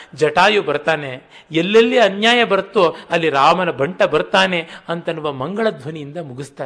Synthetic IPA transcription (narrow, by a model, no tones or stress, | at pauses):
d͡ʒɐʈaːjubɐɾt̪aːneelːɐlːiɐnjaːjɐbɐɾt̪oɐlːiɾaːmɐnɐbʱɐɳʈɐbɐɾt̪aːne̞ɐnt̪ɐnuʋɐmɐŋɡɐɭɐd̪ʱʋɐnijind̪ɐmuɡist̪aː